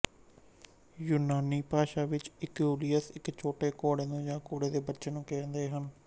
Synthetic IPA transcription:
juːnaːniːpaːʃaːʋɪt͡ʃɪkjuːlijəsɪkt͡ʃʰoːʈeːkoːɽeːnũːd͡ʒãːkoːɽeːd̪eːbətːʃeːnũːkɛ̃ːnd̪eːɦən

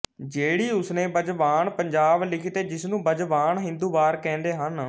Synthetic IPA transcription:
d͡ʒeːɽiːʊsnẽːbəd͡ʒʋaːnpəɲd͡ʒaːblɪkʰt̪eːd͡ʒɪsnũːbəd͡ʒʋaːɳɦɪ̃nd̪uːʋaːɾkɛ̃ːnd̪eːɦən

